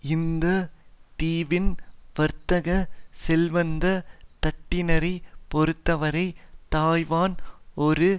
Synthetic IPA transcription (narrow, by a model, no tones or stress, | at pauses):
ɪnd̪ɐʈiːʋɪnʋɐɾt̪ɐɣɐsɛlʋɐnd̪ɐt̪ɐʈːɪnɐɾɐɪpɔɾɯt̪ːɐʋɐɾɐɪt̪aːjʋaːnɔɾɯ